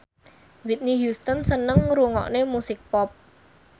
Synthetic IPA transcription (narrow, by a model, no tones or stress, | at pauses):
wit̪̚niɦjust̪ənsənəŋɾuŋɔ̰ʔnemusɪk̚pɔp̚